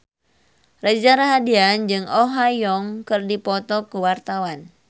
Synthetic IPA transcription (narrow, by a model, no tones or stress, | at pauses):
rɛd͡ʒaɾaɦadiand͡ʒɨŋɔɦajɔŋkɨrdipɔt̪ɔkuwart̪awan